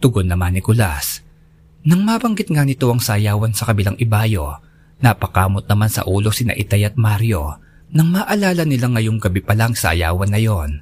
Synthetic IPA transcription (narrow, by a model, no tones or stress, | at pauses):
t̪ʊɡonːɐmanːɪkʊlas | nɐŋmaːbɐŋɡɪt̪̚ŋanɪt̪o̞ʔɐŋsajaːwɐnsɐkɐbɪlaŋʔɪbaːjo̞ | napɐkaːmo̞t̪̚nɐmansɐ̰ʔuːlo̞sɪnɐ̰ʔɪt̪ajɐt̪̚maɾjo̞ | nɐŋmaːʔɐlaːlɐnɪlaŋːɐjo̞ŋɡɐbipɐlaŋsa̰ːja̰ːwɐnːɐjo̞n